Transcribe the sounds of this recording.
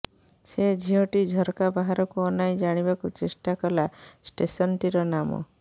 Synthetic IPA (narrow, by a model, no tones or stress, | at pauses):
sed͡ʒʱiɔʈid͡ʒʱɔɾkabaɦaɾɔkuɔnajd͡ʒaɽ̃ibakut͡ʃesʈakɔlasʈesɔnʈiɾɔnamɔ̰